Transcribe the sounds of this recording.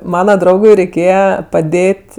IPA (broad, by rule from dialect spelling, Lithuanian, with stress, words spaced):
ˈmɑːnɐ ˈdrɐʊɡʊɪ rʲɛɪˈkʲeːjɛ pɐˈdʲeːtʲ